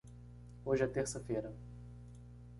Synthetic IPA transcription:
oʒɪɐt̪eɾsɐfejɾɐ

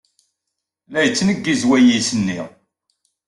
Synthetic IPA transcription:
læjət͡sːnəɡːizwæjisənːiʁ

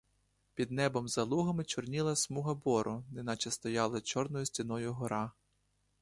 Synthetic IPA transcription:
pʲid̪nɛbɔmzɐlˠuɦɐmɪt͡ʃɔrnʲilˠɐsmuɦɐbɔɾʊnɪnɑt͡ʃɛst̪ɔjɑlˠɪt͡ʃɔrnɔjʊsʲtʲinɔjʊɦɔɾɑ

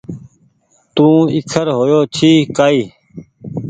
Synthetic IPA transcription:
t̪ũːikʰəɾɦoːjoːt͡ɕʰiːkaːiː

